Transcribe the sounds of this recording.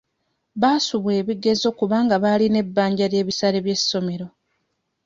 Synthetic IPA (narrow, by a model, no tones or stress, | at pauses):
βaːsuβwe̞ːβiɡe̞zo̞kuβaːŋɡaβaːline̞bːaːɲɟaɾje̞ːβisaɾeβje̞sːo̞me̞ɾo̞